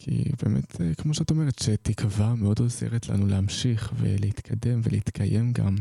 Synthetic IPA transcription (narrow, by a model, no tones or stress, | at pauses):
kʰḭbe̞ːmḛtʰekmo̞ʃeatome̞ʁetʃetikʰvameo̞do̞zḛʁetla̰nuleamʃiχvḛleit̪kʰade̞mveleit̪kʰaje̞mɡa̰m